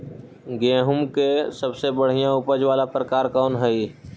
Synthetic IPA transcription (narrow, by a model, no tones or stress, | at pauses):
ɡẽːɦʊmkesəbsebəɽ̤ijãʊpəd͡ʒʋaːlapɾəkaːɾkɔːnɦɛiː